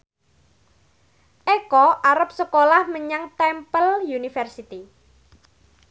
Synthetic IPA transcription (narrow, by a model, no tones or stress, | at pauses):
ʔɛkɔʔaɾəp̚səkolahməɲaŋt̪ɛmpəljunifɛrsit̪i